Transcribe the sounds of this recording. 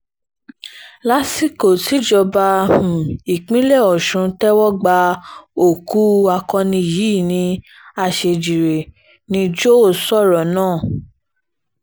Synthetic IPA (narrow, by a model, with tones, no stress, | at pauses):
la˦si˦ko˨ti˨˦d͡ʒɔ˧ba˧ũ˨i˨k͡pĩ˦lɛ˦˨ɔ˨ʃũ˨˧˦tɛ˦wɔ˦ɡ͡ba˧o˦˨ku˦a˧kɔ̃˧nĩ˧˨jiː˨˦˨nĩ˧ | a˧ʃe˧d͡ʒi˨ɾe˨ | nĩ˧d͡ʒo˦˨sɔ˦˨ɾɔ˨nãː˦˨